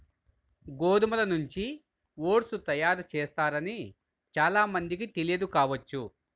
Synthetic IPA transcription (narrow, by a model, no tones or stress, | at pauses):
ɡoːd̪umɐlɐnuɲt͡ʃi | ʋoːʈsut̪ɐjaːɾut͡ʃɛːst̪aːɾɐni | t͡ʃaːlaːmɐnd̪ik̬it̪elijɐd̪ukaːʋɐt͡ʃːu